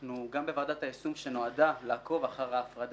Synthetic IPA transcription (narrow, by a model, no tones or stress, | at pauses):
nuɡambevad̪at̪haesumʃe̞no̞ad̪alaːko̞vaχaʁhaːfʁad